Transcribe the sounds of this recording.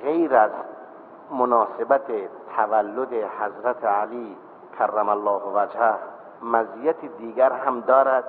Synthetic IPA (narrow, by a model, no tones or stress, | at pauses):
ɣejɾæz | monɑːsebæt̪ʰet̪ʰævælːod̪ehæzɾæt̪ʰealiː | kʰærːæmælːɒːhvæd͡ʒhæh | mæziːjæt̪ʰid̪iːɡæɾhæmd̪ɒːɾæd̪̥